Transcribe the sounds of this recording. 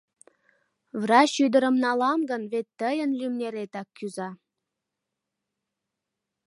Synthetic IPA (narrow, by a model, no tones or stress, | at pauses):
vrɑɕyd̪əɾəmnɑlɑmɡənβet̪ːəjənlymnʲeɾet̪ɑkʰːyzɑ